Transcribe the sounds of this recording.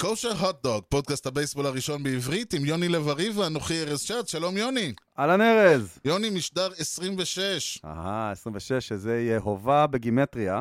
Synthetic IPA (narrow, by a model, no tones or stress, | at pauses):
koʃaɦot̚d̪oɡ̚po̞d̚kasthabejsbolaʁiʃo̞nbeivʁitimjo̞nilevaʁivanoχieʁezʃatʃalo̞mjo̞ni | alaneʁezjo̞nimiʃdaʁesʁimveʃeʃa̰haesʁimveʃeʃezeijeɦovabeɡimetʁia